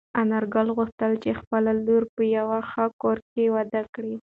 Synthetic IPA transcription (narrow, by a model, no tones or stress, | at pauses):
anaɾɡɑlɣuxt̪əlt͡ʃexpəlaluɾpəjawaxakoɾkewad̪akɽi